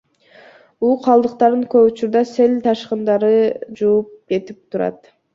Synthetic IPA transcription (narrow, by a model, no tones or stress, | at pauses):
uːqʰɑlˠd̪ɯqt̪ɑɾɯŋkøput͡ʃuɾd̪ɑselʲt̪ʰɑʃqɯnd̪ɑɾɯd͡ʒuːp̚ɡe̞t̪ip̚t̪ʰuɾɑ̰t̪